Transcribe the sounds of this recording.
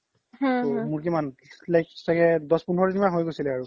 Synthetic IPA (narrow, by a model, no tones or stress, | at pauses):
ɦãmuɹk̬imanlajk̚sakɛdɔspunɦɔɹitimaɦojɡojsilɛaɹu